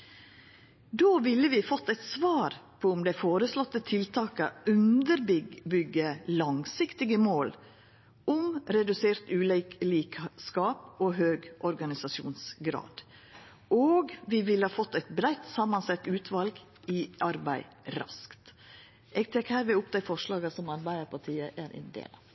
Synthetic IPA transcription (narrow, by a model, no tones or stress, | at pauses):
d̪oːʋɪlːəʋɪfɔt̪ːæɪt̪sʋɑːɾpʰɔʊmd̪æɪfoːɾəslɔt̪ːət̪ʰɪlt̪ʰɑːkəʉnd̪əɾbbʏɡːəlɑŋsɪkt̪ɪɡəmoːl | ʊmɾɛd̪ʉseːɾt̪ʉːlliːkskɑːpoːɦøːɡʔɔɾɡɑnɪsɑsṵːnsɡɾɑ̰ːd̪̥ | ʔoːɡʋɪʋɪlhɑːfɔt̪ːɛɪt̪bɾæɪt̪sɑmːɑnsɛt̪ːʉːt̪ʰʋɑlɡ | ɪɑɾbæɪ | ɾɑ̰skt̪ | ʔɛɡ̚t̪ʰɛkːhæːɾʋɪʊpd̪æɪfɔʂlɑːɡəsɔmɑɾbæɪəɾpʰɑʈʰiːəʔæɾʔɪ̰nd̪ḛːlɑ